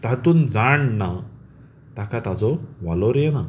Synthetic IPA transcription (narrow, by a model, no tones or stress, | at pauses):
t̪at̪uːnd͡zaɳna | t̪akat̪ad͡zɔʋalɔɾjɛna